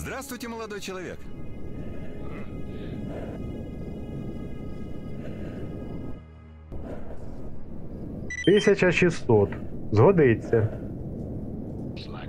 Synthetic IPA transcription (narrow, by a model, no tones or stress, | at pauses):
zd̪ɾast̪ʋʊjtʲɪmɔlˠɐd̪ɔjt͡ʃɔlˠɐʋʲḭk | t̪ɪsʲɐt͡ʃɐʃisːɔt̪zɦɔd̪ɪt͡sʲːɐ